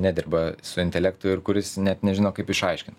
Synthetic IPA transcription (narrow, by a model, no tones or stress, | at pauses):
nʲæːd̪ʲɪɾbɐsʊɪnʲt̪ʲɛlʲæk̚t̪ʊɪɾkʊɾʲɪsnʲɛt̪nʲɛʒʲɪnoːkɐɪpɪʃɐɪʃʲkʲɪn